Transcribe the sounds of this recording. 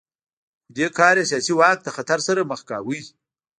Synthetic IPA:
d̪ekʰɑːɾjesijɑsiwɑk̚d̪əxat̪aɾsaɾaməxkɑ̰wij

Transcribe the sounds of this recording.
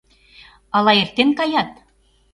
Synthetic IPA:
ɑlɑert̪ːenkɑjɑt̪̚

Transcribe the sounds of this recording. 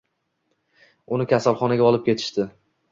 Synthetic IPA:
ʊnɪkʲʰasalˠχɒnaɡʲaɒlˠɪp̚kʲe̞t̪ʰɪ̥ʃt̪ɪ

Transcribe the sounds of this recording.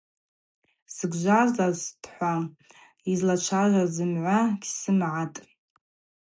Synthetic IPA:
sɨɡʷʒʷazazd̥ħʷa | izlat͡ʃʷʰaʒʷazɨmʕʷaɡʲsɨmʕatʼ

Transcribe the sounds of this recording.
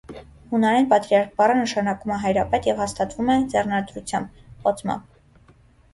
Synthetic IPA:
hunɑɾɛnpɑt̪ɾiɑɾk̚bɑrənəʃɑnɑkumɛɦɑjɾɑpɛt̪jɛvhɑst̪ɑt̪vumɛd͡zɛrnɑɾt̪ɾut͡sʰjɑmbχɔt͡sʰmɑ̰mb

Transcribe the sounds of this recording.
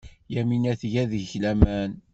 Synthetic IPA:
jæminæθʝæðəçlæmæn

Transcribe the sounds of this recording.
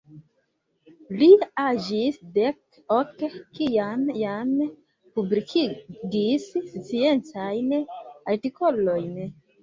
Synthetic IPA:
liad͡ʒisdek | okkijamjam | publikʰiɡisst͡sient͡sajnaɾtiko̞lo̞jn

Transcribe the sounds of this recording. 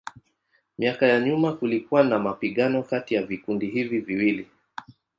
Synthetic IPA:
miakajaɲumakulikuwanamapiɠanɔkatijavikundiɦiviviwili

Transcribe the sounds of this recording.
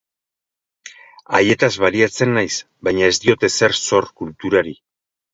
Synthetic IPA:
aje̞t̪azβaliat͡se̞nːajs | bajɲae̞zt̪io̞t̪e̞se̞ɾso̞ɾkult̪uɾaɾi

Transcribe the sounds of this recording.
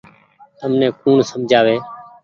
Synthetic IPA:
t̪əmnɛ̃ːkuːɳsəmd͡ʒʱaːʋeː

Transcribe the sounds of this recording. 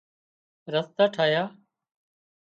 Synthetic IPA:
ɾəst̪aːʈʰaːjaː

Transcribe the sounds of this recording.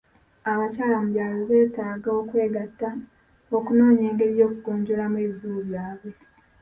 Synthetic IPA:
aβacaːlamuβjaːloβe̞ːtaːɡao̞kwe̞ːɡatːa | okuno̞ːɲe̞ːŋɡe̞ɾjo̞ːkuɡo̞ːɲɟo̞lamweːβizuuβjaːβwe̞

